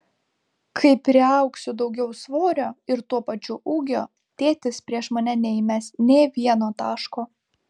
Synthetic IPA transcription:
kʰɐɪpɾʲɪɐˑʊksʲʊd̪ɒʊɡʲɛʊsʋoːɾʲoːɪɾt̪uɔpɐt͡ʃʲʊʔuːɡʲo̰ː | t̪ʲeːt̪ʲɪspʲɾʲiɛʃmɐnʲɛnʲɛɪmʲɛsnʲeːʋʲiɛnoːt̪ɑːʃkoː

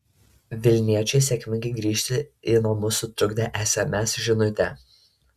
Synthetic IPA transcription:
ʋʲɪlʲnʲiɛt͡ʃʲɛɪsʲɛkʲmʲɪŋɡʲɐɪɡɾʲiːʃʲt̪ʲɪɪnomʊsʊt̪ɾʊɡd̪ʲɛʔæːsʲɛmʲɛsʒʲɪnʊt̪ʲɛ

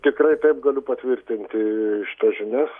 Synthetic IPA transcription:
t̪ʲɪkrɐɪt̪ɐɪp̚ɡɐlʲʊpɐt̪ʲʋʲɪrʲt̪ʲɪnʲt̪ʲɪʃʲɪ̥t̪ɐsʒʲɪnʲɛs

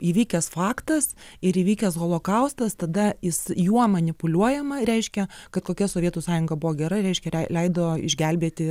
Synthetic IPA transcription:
iːʋʲiːkʲɛsfɑːkt̪ɐsɪɾiːʋʲiːkʲɛsɣoːlˠoːkɐʊst̪ɐst̪ɐd̪ɐjɪsjuɔmɐnʲɪpʊlʲuɔjɛmɐɾʲɛɪʃʲkʲɛkɐt̪koːkʲɛsoːʋʲiɛt̪uːsɑːjʊŋɡɐbʊʋoːɡʲɛɾɐɾʲɛɪʃʲkʲɛɛɪlʲɛɪd̪oːɪ̰ʒʲɡʲɛlʲbʲiːt̪ʲɪ

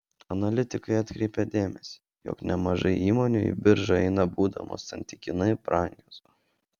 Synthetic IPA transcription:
ɐnɐlʲɪt̪ʲɪkɐɪɐt̪ʲkɾʲɛɪpʲɛd̪ʲeːmʲɛsʲi̥ːjo̰ːknʲɛmɐʒɐɪiːmoːnʲuḭbʲɪɾʒɐɛɪnɐbuːd̪ɐ̰mo̰ːsːɐnʲt̪ʲɪkʲɪnɐɪpɾʔɑŋʲɡʲoːs

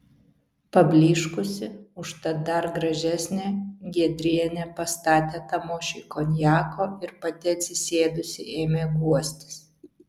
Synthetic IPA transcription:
pɐbʲlʲiːʃkʊsʲɪʊʃt̪ɐd̪ɐɾɡɾɐʒʲæsʲnʲeɡʲiɛd̪ʲɾʲiɛnʲɛpɐst̪ɑːt̪ʲeːt̪ɐmoːʃʲɪkoːnʲjɑːkoːɪɾpɐt̪ʲɪɐt̪ʲsʲɪsʲeːd̪ʊsʲɪʔeːmʲeːɡuɔsʲt̪ʲɪ̥s

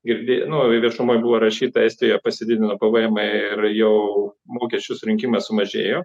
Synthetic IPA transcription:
ɡʲɪɾʲd̪ʲeːnʊʋʲiɛʃʊmoːjbʊʋoːɾɐʃʲiːt̪ɐɛɪst̪ʲɪjopɐsʲɪd̪ʲɪd̪ʲɪnopɐʋɐjɛmɐɪrjɛʊmoːkʲɛsʲt͡ʃʲʊsʊɾʲɪŋʲkʲiːmɐsʊmɐʒʲḛːjoː

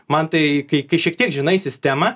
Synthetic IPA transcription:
mɐnt̪ɐɪkɐɪkɐɪʃʲiɛkt̪ʲiɛkʒʲɪnɐɪsʲɪsʲt̪ʲæmɐ

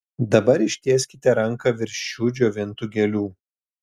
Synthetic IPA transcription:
d̪ɐbɐɾɪʃʲt̪ʲeːsʲkʲɪt̪ʲɛɾɐŋˑkɐʋʲɪɾʲʃʲt͡ʃʲuːd͡ʒʲoːʋʲɛnt̪ʊɡʲɛlʲuː

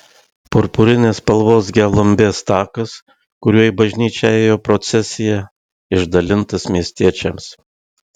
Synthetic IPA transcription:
pʊɾpʊɾʲɪnʲeːspɐlˠʋoːs̬ɡʲɛlˠɐmʲbʲeːst̪ɑːkɐs | kʊɾʲuɔjɪbɐʒʲnʲiːt͡ʃʲɛeːjoːpɾɔt̪sʲɛsʲɪjɛ | ɪʒd̪ɐlʲɪnt̪ɐsmʲiɛsʲt̪ʲiɛt͡ʃʲɛms

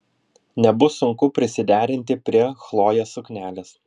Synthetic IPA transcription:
nʲɛbʊsʊŋkʊpʲɾʲɪsʲɪd̪ʲæːɾʲɪnʲt̪ʲɪpʲɾʲiɛxlˠoːjɛsʊkʲnʲæːlʲeːs

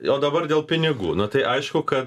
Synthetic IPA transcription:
oːd̪ɐbɐrdʲeːlˠpʲɪnʲɪɡṵːnʊt̪ɐɪʔɐɪʃkʊkɐt̪

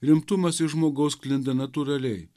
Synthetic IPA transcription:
ɾʲɪmt̪ʊmɐsɪʒmoːɡɐʊsklʲɪnd̪ɐnɐt̪uːɾɐlʲɛɪ

